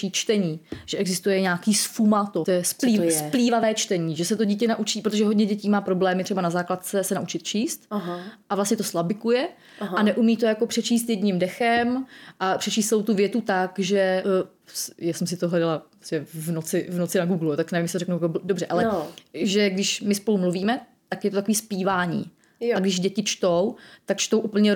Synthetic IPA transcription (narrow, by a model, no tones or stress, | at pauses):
iːt͡ʃt̪ɛɲiːʒ̥ɛɛɡzɪst̪ujɛɲaːkiːsfumat̪ot̪ojɛspliːspliːvavɛːt͡ʃt̪ɛɲiːʒɛsɛt̪o̞ɟiːcɛnaʔut͡ʃiːpɾot̪oʒɛɦo̞dɲɛɟɛciːmaːpɾoblɛːmɪt̪rɛbanazaːklat̪t͡sɛsɛnaʔut͡ʃɪt̪t͡ʃiːst̪ɦʔavlast̪ɲɛt̪o̞slabɪkujɛ | ɦanɛʔumiːt̪o̞jako̞pr̥ɛt͡ʃiːst̪jɛdɲimdɛxɛmʔapr̥ɛt͡ʃiːst̪sɛlowt̪uvjɛt̪ut̪akʒɛ | jaːsɛmsɪt̪oɦlɛdalappɾostɛvnot͡sɪvnot͡sɪnaɡuːɡlujot̪aknɛvimjsɪt̪oɛknukobdobr̝ɛʔalɛʒɛɡdɪʃmɪspo̞lumluviːmɛ | t̪akjɛt̪ot̪akoviːspiːvaːɲḭː | aɡdɪʒɟɛcɪt͡ʃt̪owt̪akt͡ʃt̪o̞wʔupl̩ɲɛ